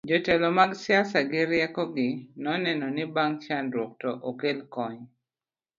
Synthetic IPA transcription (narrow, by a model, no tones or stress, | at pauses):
d͡ʒotɛlɔmaɡsɪasaɡɪɾjɛkɔɡɪnɔnɛnɔnɪbaŋt͡ʃanɾwɔk̚tɔʔokelkɔɲ